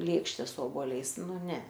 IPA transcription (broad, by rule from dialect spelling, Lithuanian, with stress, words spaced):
ˈlʲeːkʃʲtʲɛ sʊ oːboːˈlʲɛɪs ˈnʊ ˈnʲɛ